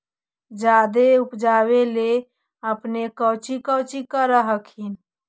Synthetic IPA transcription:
d͡ʒad̪eupd͡ʒaβele | əpnekəwt͡ʃikəwt͡ʃikəɾəɦəkʰin

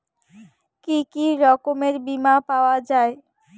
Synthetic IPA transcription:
kikiɾɔkomeɾbimapaoad͡ʑae

